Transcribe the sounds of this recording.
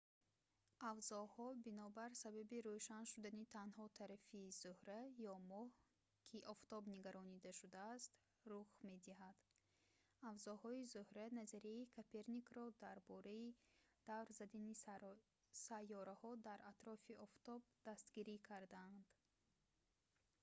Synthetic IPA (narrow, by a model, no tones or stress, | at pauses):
avzɔhɔbinɔbaɾsababiɾoʃanʃud̪anit̪ʰanhɔt̪ʰaɾafiːz̥uhɾajɔmɔh | kʰiʔɔft̪ɔbniɡaɾɔnid̪aʃud̪aːst̪ | ruχme̞d̪iɦad̪̥ | avzɔhɔizuhɾanazaɾiaikʰapʰe̞ɾnikɾɔd̪aɾbɔɾaid̪̥avɾzad̪ani | sajːɔɾahɔd̪aɾat̪ɾɔfiɔft̪ɔb̚d̪̥ast̪ɡiɾikʰaɾd̪and̪̥